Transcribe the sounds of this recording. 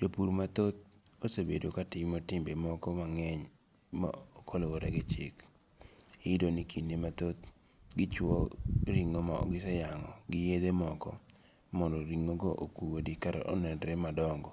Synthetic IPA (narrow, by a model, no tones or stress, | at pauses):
d͡ʒopuɾmat̪ot̪̚ | osebedokatɪmmotɪmbemɔkɔmaŋɛɲ | ma̰okʰolowoɾɛɡɛt͡ʃɪ̰k | iɪdonikʰindimat̪ot̪̚ | ɡɪt͡ʃwɔɾiŋomaɔ̰ɡɪsɛjaŋɔ̰ɡɪjedemɔkɔ̰ | mɔndoɾiŋoɡoʔokuwodikaɾɛ̰ʔo̰nɛndɾɛmadɔŋɡɔ